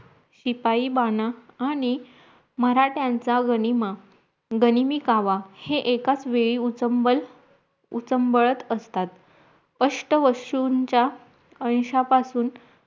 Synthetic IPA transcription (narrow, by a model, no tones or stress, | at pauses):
ɕipaiːbanaaːɽ̃i | məɾaʈjãnt͡saɡənima | ɡənimikaʋaheʔekat͡sʋeɭiːut͡səbl | ut͡səmbəɭət̪əst̪at̪ | əʂʈəʋəɕuɲt͡ɕa | ənɕapasuːn